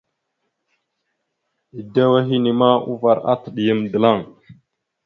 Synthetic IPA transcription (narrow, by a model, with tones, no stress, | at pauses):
i˨da˦wa˦ɦi˦ni˨ma˦u˦va˨ɾa̰˦tə˨ɗi˨jə˦mdə˨la˦˨ŋ